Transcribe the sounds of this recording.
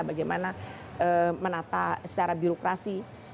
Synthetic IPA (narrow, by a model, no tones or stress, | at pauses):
baɡajmana | əmənat̪asə̥t͡ʃaɾabiɾokɾasi